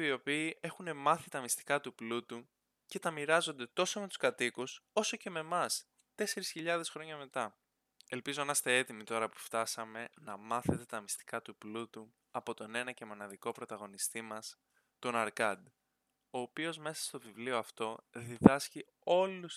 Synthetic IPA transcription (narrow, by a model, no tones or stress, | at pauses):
io̞piːʔe̞xune̞mɐθit̪ɐmist̪i̥kɐt̪uplut̪u | ce̞t̪ɐmiɾɐzo̞nd̪e̞t̪o̞some̞t̪u̥skɐt̪ikuso̞so̞ce̞me̞mɐs | t̪e̞se̞ɾisçiʎɐðe̞sxɾo̞ɲɐme̞t̪ɐ | e̞lpizoimɐst̪e̞e̞t̪imit̪o̞ɾɐpu̥ft̪ɐsɐme̞nɐmɐθe̞t̪e̞t̪ɐmist̪i̥kɐt̪uplut̪u | ɐpo̞t̪o̞ne̞nɐce̞mo̞nɐðiko̞pɾo̞t̪ɐɣo̞nist̪imɐs | t̪o̞nɐɾkɐd̪ | o̞ːpio̞zme̞sɐ̥st̪o̞vivlio̞ɐft̪o̞ðiðɐsci | o̞lus